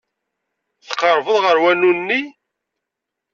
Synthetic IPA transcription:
θə̥qːəɾˤvəðʁəɾwænunːi

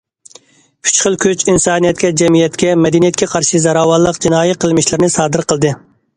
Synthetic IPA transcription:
kʲʰy̥t͡ʃχəlˠkʲʰyt͡ʃinsɑːnijɛt̪kʲɛd͡ʒɛmijɛt̪kʲɛmɛd̪ɛnijɛt̪̚kʲɛqʰɑɾʃizɑɾɑːwɑlˠːəqd͡ʒinɑːjɛqʰəlˠmɪʃlɪɾɪnɨsɑːd̪ɨɾqʰəlˠd̪ɨ

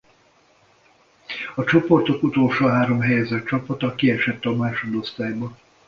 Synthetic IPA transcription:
ɒt͡ʃo̞po̞rt̪o̞kut̪o̞lʃoːɦaːɾo̞mɦɛjɛzɛt̪t͡ʃɒpɒt̪ɒkiɛʃɛt̪ːɛɒmaːʃo̞d̪o̞st̪aːjbɒ

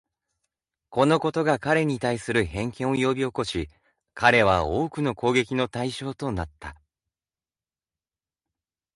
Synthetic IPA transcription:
ko̞no̞ko̞t̪o̞ɡakaɾe̞ɲ̟it̪aisɨɾɯ̟hẽ̞ŋkẽ̞ɰ̃o̞jo̞bʲio̞ko̞ɕi | kaɾe̞β̞ao̞ːkɯ̟no̞ko̞ːɡe̞kʲino̞t̪aiɕo̞ːt̪o̞nat̪ːa

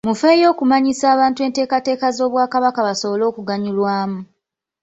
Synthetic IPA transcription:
mufe̞ːjo̞ːkumaɲisaːβaːntue̞ːnte̞ːkate̞ːkazo̞ːβwaːkaβakaβaso̞βo̞lo̞ːkuɡaɲulwaːmu

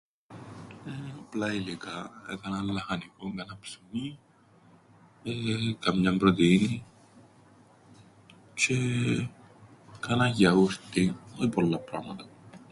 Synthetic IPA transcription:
eoplɐilikɐḛkɐnɐnlɐxɐnikoŋɡɐnɐpsimi | ekɐmɲɐmbɾot̪ini | t͡ʃe | kɐnɐʝɐust̪iolipolːɐpɾɐmɐt̪ɐ̥

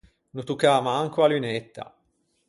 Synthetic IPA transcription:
nut̪ukaːmaaŋkoalynet̪ːa̰

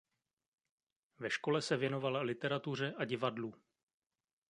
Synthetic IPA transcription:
vɛʃko̞lɛsɛvjɛno̞valalɪt̪ɛɾat̪ur̝ɛʔaɟɪvadluː

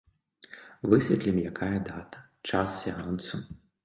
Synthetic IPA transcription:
vɨsʲɛt̪lʲimjakʰajɐd̪at̪ɐ̥ | t͡ʂassʲɛansu

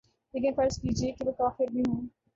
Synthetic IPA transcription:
leːkɪ̃nfɐɾskiːd͡ʒiekɪmekaːfɪɾbʱiɦũː

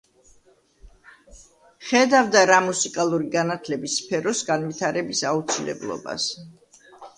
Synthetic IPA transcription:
χɛd̪avd̪aɾamusikʼalˠuɾiɡanat̪ʰlɛbisːpʰɛɾɔsɡanvit̪ʰaɾɛbisaut̪sʰilɛ̰blˠɔ̰ba̰s

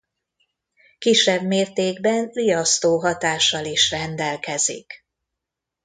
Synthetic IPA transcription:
kiʃːɛbmeːrt̪eːɡbɛnlijɒst̪oːɦɒt̪aːʃːɒliʃrɛnd̪ɛlkɛzḭk

